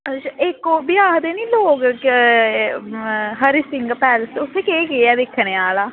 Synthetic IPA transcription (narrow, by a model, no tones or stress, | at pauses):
t͡ʃɪkoːbɪjaːɦd̪eːnĩːloːɡ | ɦəɾisɪŋɡpɛːlsʊt̪ʰːeːkeːɡeːɛːd̪ekʰːneːaːlaː